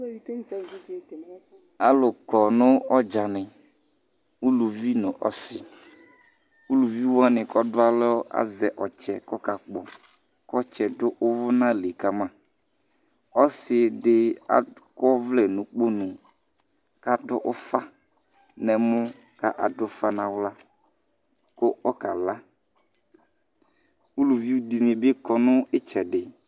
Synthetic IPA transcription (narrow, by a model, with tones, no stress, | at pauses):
a˨lʊ˨kɔ˨nʊ̃˦ɔ˦d͡ʒa˨nɪ˨ | u˦lu˨vi˦nʊ̃˨ʔɔ˦sɪ˨ | u˦lu˨vi˦wɔ˦nɪ̃˨kɔ˦dʊ˦a˦lɔ˦ɔ˦ʔa̰˦zɛ˨ʔɔ˨t͡ʃɛ̰˨kɔ˦ka˨k͡pɔ̰˨ | kɔ˦t͡ʃɛ˨dʊ˦ʔʊ˦vʊ˦nã˦le˨ka˨mã˦ | ɔ˦sɪ˨dɪ˦a̰˦kɔ˦vlɛ˨nʊ̃˨k͡po˦nʊ̃˨ | ka˦dʊ˦ʔʊ˦fa˦ | nɛ˨mʊ˦ | ka˦ʔa˨dʊ˦fa˦nã˨wla˦ | kʊ˦ɔ˦ka˨la˦ | u˦lu˨vi˦u˦di˨nɪ̃˨be˦kɔ˨nʊ̃˦ɪ˦t͡ʃɛ˨dɪ˨